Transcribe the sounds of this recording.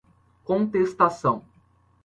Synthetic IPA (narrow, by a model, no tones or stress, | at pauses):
kõnt̪est̪asɐ̃w̃